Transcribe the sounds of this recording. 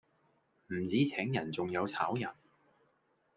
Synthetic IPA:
m̩˨˩t͡siː˨˥t͡sʰɛː˨˥ŋjɐ˨˩nt͡sʊ˨ŋjɐ˨˧wt͡sʰaː˨˥wjɐ˨˩n

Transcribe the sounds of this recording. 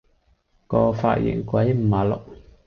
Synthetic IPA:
kɔː˧fa̰ː˧t̚jɪ̰˨˩ŋkʷwɐ˨˦jm̩˨˩˨aː˨lʊ̰˨k̚

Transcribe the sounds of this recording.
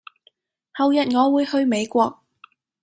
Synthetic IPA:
hɐ˨wjɐ˨t̚ŋɔː˨˧wuː˨˧jhɵ˧ɥme˨˧jkʷɔː˧k̚

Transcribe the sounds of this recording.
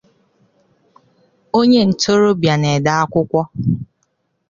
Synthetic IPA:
o˦ɲe˦n̩˨to˦ɾo˦bja˨ne˨da˦a˦kʷʊ˦kʷɔ˦

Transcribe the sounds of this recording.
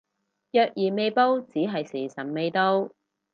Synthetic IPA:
jœː˨k̚jiː˨˩me˨˧jpo˥wt͡siː˨˥ɦɐ˨jsiː˨˩sɐ˨˩nme˨˧jt̪o˥w

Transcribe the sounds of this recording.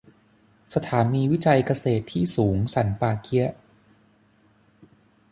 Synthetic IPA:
sa˧t̪ʰaː˩˦niː˧wi˦˥t͡ɕa˧jka˧seː˨˩t̪ʰːiː˥˩suː˩˦ŋsa˩˦npaː˧kʰi˦˥ɐʔ

